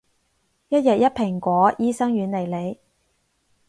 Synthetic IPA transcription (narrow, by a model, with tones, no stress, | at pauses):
jɐ˥t̚jɐ˨t̚jɐ˥t̚pʰɪ˨˩ŋkʷɔː˨˥jiː˥sɐ˥ŋɥyː˨˧nle˨˩jle˨˧j